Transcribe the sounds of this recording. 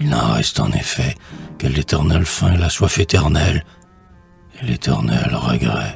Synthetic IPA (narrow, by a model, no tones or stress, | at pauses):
ilɑ̃ʁɛst̪ɑ̰̃nefɛkəlet̪ʰɛʁnɛlfɛ̃laswafet̪ɛʁnɛl | elet̪ʰɛʁnɛlʁəɡʁɛ